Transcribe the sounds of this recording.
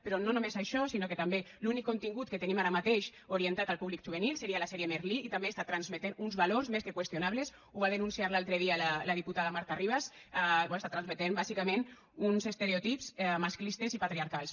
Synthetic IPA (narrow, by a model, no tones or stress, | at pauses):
peɾɔnonumezaʃɔsinoket̪ambe | lunikːont̪iŋɡut̪̚ket̪enimaɾamat̪eʃ | oɾient̪at̪alpuβlikʒ̥uβenilˠseɾialasɛɾiemeɾliːt̪ambest̪at̪ɾanzmet̪enunzβaloɾzmeskekwest̪jonaβles | uβaðenunsiaɾlalˠt̪ɾeðialalað̞iput̪aðamaɾt̪ariβ̞asabst̪at̪ɾanzmet̪embazikamẽn | unzest̪eɾeot̪ipzɛmasklist̪ezipat̪ɾiaɾkalˠs